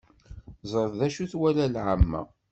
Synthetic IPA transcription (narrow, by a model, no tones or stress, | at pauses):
zˤəɾˤðæʃuθwælælʕəmːæ̰